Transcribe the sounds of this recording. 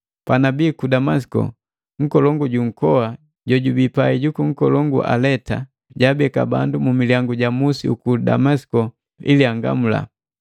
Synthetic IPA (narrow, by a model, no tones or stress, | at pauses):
panabiːkudamasi̥kɔ̰ | ŋ̩kɔlɔŋɡuɟuŋ̩kɔwa | ɟɔɟubipaiɟukuŋ̩kɔlɔŋɡṵʔa̰lɛta | ɟabɛka̰ba̰ndumumiliaŋɡuɟamusḭukuda̰masi̥kɔ | iliaŋɡa̰mula̰